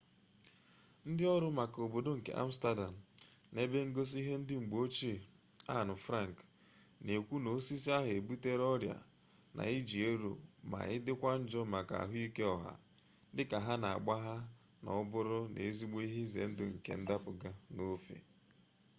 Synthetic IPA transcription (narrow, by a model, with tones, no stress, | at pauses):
n̩˦dɪ˦ɔ˦ɾʊ˦ma˨ko˨bo˨do˦ŋ̩˨kḛ˨ʔa̰˦m̩˦sta˦da˨m̩˨ | ne˦be˦ŋ̩˦ɡo˦s̬i˦ɦe˦n̩˦dɪ˦ŋ͡m̩˨ɡ͡bo˦t͡ʃi˦˨ | a˦˨nʊ˨fɾa˦˨ŋ˨k | ne˨kʷu˦no˨˦si˦s̬i˦a˦ɦe˨bu˦te˦ɾɔ˦ɾja̰˨ | nʔa̰˨i˦d͡ʒi˨e˦ɾo̰˨ma̰˨ɪ˦dɪ˦kʷa˦n̩˦d͡ʒɔ˦ma˨ka̰˨ɦʊ˦i˦ke˦ɔ˨ɦa̰˨ | dɪ˦ka˨ɦa˦na˨a˨ɡ͡ba˦ɦa˦ | nɔ̰˨˦bʊ˦ɾʊ˦nḛ˨˦zi˦ɡ͡be˦i˦ɦɪ˦zḛ˨n̩˦dʊ˦ŋ̩˨kḛ˨n̩˦da˦pʊ˨ɡa˦no˦fḛ˨